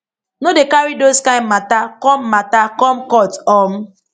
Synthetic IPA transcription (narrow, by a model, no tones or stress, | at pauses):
nodekaɹidoskãɪ̃nmatakɔmmatakɔmkɔtɔm̩